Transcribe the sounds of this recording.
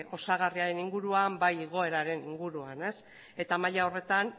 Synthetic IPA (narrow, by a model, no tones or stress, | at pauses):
o̞saɣ̞ariaɾe̞niŋɡuɾuambajiɣo̞e̞ɾaɾe̞niŋɡuɾuane̞s | e̞t̪amaʎao̞re̞t̪an